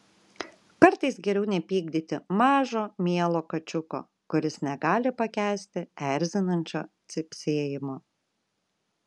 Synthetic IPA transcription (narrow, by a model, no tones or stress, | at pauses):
kɐɾt̪ɐɪsɡʲɛɾʲɛʊnʲɛpʲiːɡ̚d̪ʲiːt̪ʲɪmɑːʒoːmʲiɛlˠoːkɐt͡ʃʲʊko̰ː | kʊɾʲɪsnʲɛɡɑːlʲɪpɐkʲæːsʲt̪ʲɪɛɾʲzʲɪnɐnʲt͡ʃʲo̰ːt̪sʲɪpʲsʲeːjɪmoː